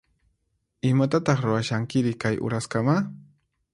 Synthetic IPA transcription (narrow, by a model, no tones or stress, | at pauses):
ɪmat̪at̪ɑχɾʊɾaʃaŋkɪɾɪkajʔʊ̰ɾaskama